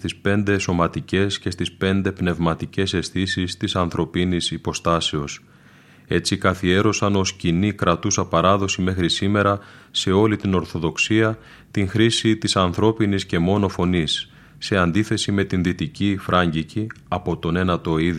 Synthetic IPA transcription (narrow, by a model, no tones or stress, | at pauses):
t̪ispe̞nd̪e̞so̞mɐt̪ice̞sce̞st̪ispe̞nd̪e̞pne̞vmɐt̪ice̞se̞sθisist̪isɐnθɾo̞pinisipo̞st̪ɐse̞o̞s | e̞t͡sikɐθie̞ɾo̞sɐno̞scinikɾɐt̪usɐpɐɾɐðo̞sime̞xɾisime̞ɾɐse̞o̞lit̪ino̞ɾθo̞ðo̞ksiɐ | t̪iŋxɾisit̪isɐnθɾo̞pinisce̞mo̞no̞fo̞nisː | e̞ɐnd̪iθe̞sime̞t̪inðit̪icifɾʔɐɲɟiciɐpo̞t̪o̞ne̞nɐt̪o̞ið